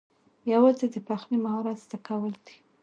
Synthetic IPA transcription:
jawɑzed̪əpaxnimahɑɾat̪zd̪̥akawəld̪i̥

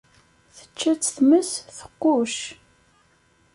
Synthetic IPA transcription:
θə̥t͡ʃːæt͡sːθməsθə̥qːʊʃ

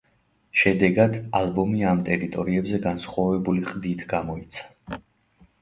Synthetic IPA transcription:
ʃɛd̪ɛɡad̪alˠbɔmiamt̪ʼɛɾit̪ʼɔɾiɛbzɛɡansχwavɛbuliχʼd̪it̪ʰɡamɔit̪sʰḁ

